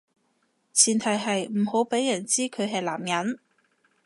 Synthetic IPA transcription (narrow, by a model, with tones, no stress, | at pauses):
t͡sʰiː˨˩nt̪ʰɐ˨˩jɦɐ˨jm̩˨˩ho˨˥wpe˨˥jːɐ˨˩nt͡siː˥kʰɵ˨˧ɥɦɐ˨jlaː˨˩mjɐ˨˥n